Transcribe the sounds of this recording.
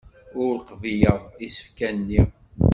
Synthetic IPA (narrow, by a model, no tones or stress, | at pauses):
ʊɾɾqvijəðˤisə̥fkænnːi